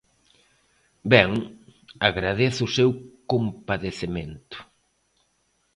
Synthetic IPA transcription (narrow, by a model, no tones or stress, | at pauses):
bɛŋaɣɾaðeθʊʊsewkompaðeθement̪ʊ̥